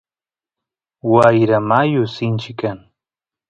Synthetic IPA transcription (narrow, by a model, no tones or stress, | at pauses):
wajɾamajʊsɪnt͡ʃɪkːaŋ